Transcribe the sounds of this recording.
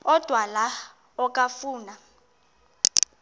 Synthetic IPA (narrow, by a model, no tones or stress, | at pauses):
ɔd̥ʱwala | ɔkʼafuːna